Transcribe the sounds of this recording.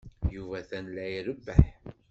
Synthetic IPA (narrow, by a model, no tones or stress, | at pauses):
juvæθænlːæjiɾəbːəħ